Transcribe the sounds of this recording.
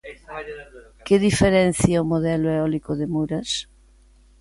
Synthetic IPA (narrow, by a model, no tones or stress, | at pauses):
keðifeɾɛn̟θjaomoðɛloeɔlikoðemuɾɐs